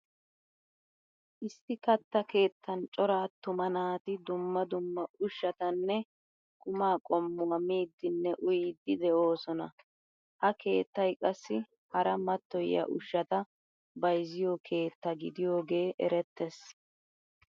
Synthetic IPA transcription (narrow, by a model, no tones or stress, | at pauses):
ʔɪsːɪkɐt̪ːɐke̞ːt̪ʰːɐnt͡ʃʼɔɾaːt̪ːʊmɐnaːt̪ɪd̪ʊmːɐd̪ʊmːɐʊʃːɐt̪ɐnːɛ | kʊmaːkʼɔmːʊɐmiːd̪ːɪnːɛʔʊjiːd̪ːɪd̪ɛʔo̞ːsɔnɐ | hɐke̞ːt̪ːɐjkʼɐsːɪ | hɐɾɐmɐt̪ːɔjɐ̰ʔʊʃːɐt̪ɐ | bɐjzɪjokʰe̞ːt̪ːɐɡɪd̪ɪjo̞ːɡe̞ːʔɛ̰ɾɛt̪ːɛs